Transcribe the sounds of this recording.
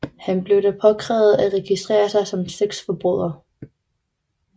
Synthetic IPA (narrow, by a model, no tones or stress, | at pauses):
hænb̥le̝ʊd̥æpʰɒ̽kʰʁɛ̰ːʊð̞̩ˠæʁɛɡ̥isd̥ʁɛ̰ːɐsɑ̈ɪsɒ̽mseɡ̥sfɒb̥ʁṵð̰ˠɐ